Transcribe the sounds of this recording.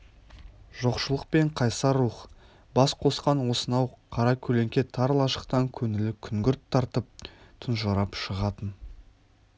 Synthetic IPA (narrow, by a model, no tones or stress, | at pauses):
ʒ̥o̞qʃəlˠəq̚pe̞ɴqʰɑjsɑɾuχ | bɑsqʰo̞sqɑnwo̞sənɑwqʰɑɾɑkʲʰɵle̞ŋkʲe̞t̪ʰɑɾlˠɑʃə̥qt̪ɑŋkʲʰɵnɪlɪkʲʰʏŋɡʲʏɾt̪ʰːɑɾt̪əp̚t̪ʰʊnʒɑɾɑpʃəʁɑt̪ən